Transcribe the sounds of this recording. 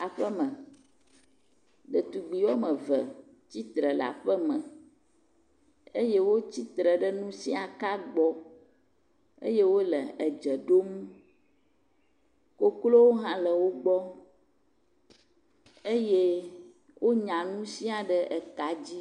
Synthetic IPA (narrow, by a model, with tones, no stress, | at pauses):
a˨ɸə˦mə̃˨ | ɖə˨t̪u˨ɡ͡bi˨wɔ˦mə̃˨və˨ | t͡ɕi˦t̪ɾə˨la̰˨ɸə˦mə̃˨ | e˦je˦wo˦t͡ɕi˦t̪ɾə˨ɖə˦nũ˦sḭ˦a˨ka˦ɡ͡bɔ˦ | ḛ˦je˦wo˦lə˨ə˨d͡ʒə˨ɖo˦mũ˦ | ko˦klo˦wo˦ɦã˦lə˨wo˦ɡ͡bɔ˦ | e˦je˦ | wʔo˦ɲã˨nũ˦si˦a˨ɖə˦ʔɛ˨ka˨d͡ʑi˦